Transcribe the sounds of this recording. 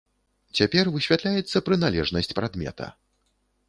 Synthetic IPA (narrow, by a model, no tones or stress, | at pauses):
t͡sʲapʲɛrvɨsʲvʲat̪lʲajɛt̪sːɐpɾɨn̪alʲɛʐnɐsʲt͡sʲpɾad̪mʲɛ̰t̪ʰɐ̰